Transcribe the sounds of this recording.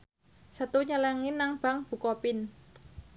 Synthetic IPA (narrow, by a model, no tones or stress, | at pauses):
sət̪uɲəlaŋinaŋb̥aŋb̥ṳkɔpɪn